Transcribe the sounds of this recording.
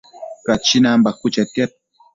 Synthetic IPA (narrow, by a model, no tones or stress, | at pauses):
kat͡ʃinambakut͡ʃat̪jat̚